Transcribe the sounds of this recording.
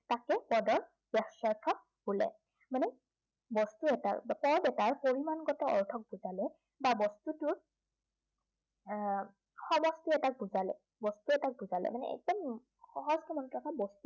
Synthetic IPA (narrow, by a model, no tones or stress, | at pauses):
takɛpɔdɔɹ | b̥ɛxsaɹkʰɔ | bulɛ̰ | manɛ | bɔstuɛta̰pɔɹbɛtaɹpoɹimanɡɔtɛɔ̰ɹtʰɔk̚buzalɛ | babɔstutʊɹ | xɔmɔstiɛtak̚buzalɛ̰ | bɔstuɛtak̚buzalɛ̰manɛ̰ɛ̰k̚dɔm | xɔɦɔzkimantakabɔstu